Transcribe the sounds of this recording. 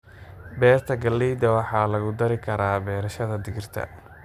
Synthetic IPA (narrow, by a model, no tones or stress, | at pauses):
bɛːrt̪ʰɐɡɐlːiːd̪ɐwɑħɑːlɐɣʊd̪ɐɾɪkʰɐɾaːbɛːɾɐʃɐðɐd̪ɪɣɪrt̪ʰɐ̰